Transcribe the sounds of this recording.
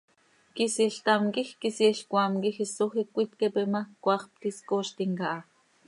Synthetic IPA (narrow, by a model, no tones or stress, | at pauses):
kisiɬt̪amkixkisiɬkʷamkixisoxikʷːit̪kepimakʷɑχp̚t̪iskoːʃt̪iŋkaʔː